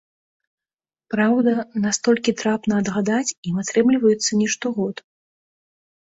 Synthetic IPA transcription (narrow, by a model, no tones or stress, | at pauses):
pɾawd̪ɐnast̪ɔlʲkʲit̪ɾapnɐːd̪ɣad̪at͡sʲimat̪ɾɛmlʲivɐjɛt̪sːɐnʲɛʂt̪ɔɣɔt̪